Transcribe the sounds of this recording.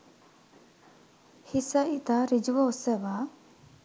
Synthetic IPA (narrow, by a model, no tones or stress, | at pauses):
hisɐit̪aːɾid͡ʒuʋɐosɐʋaː